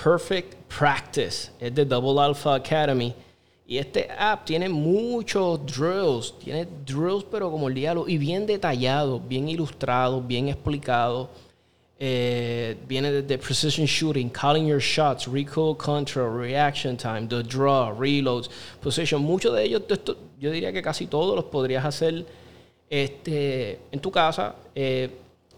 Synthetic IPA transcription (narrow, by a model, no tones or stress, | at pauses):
pʰɛɹfek̚t̪pʰɾak̚t̪ɪsesd̪ed̪ʌβl̩alfaːkʰaɾemi | ḭest̪ḛʔap̚t̪je̞ne̞mut͡ʃosd̪ɾilst̪jḛne̞d̪ɾilspe̞ɾo̞komoeld̪jaloʔiβje̞nd̪e̞t̪aʝaðoβje̞ŋilust̪ɾaðoβjeŋesplikaðo | e | bje̞neðeðepʰɾesɪʃõnʃuɾĩŋkʰɔlĩŋjoɹʃat̪sɹikʰolˠkʰɔ̃ntɹaɹiakʃõnt̪ʰãj̃md̪əd̪ɾɔɹilowdspʰosiʃõŋmũt͡ʃoðeejosd̪est̪oɟoðiɾiake̞kasit̪o̞ðolospo̞ðɾiasase̞l | est̪eent̪ukasa̰e